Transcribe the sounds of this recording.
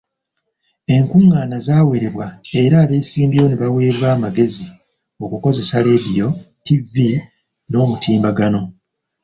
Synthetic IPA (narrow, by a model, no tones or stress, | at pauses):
e̞ŋkuŋːaːnazaːwe̞ɾe̞βwae̞ɾaːleːsiːmbijo̞neβawe̞ːβaːmaɡe̞zi | o̞kuko̞ze̞sale̞dijo̞ | tivi | no̞ːmutʰiːmbaɡano̞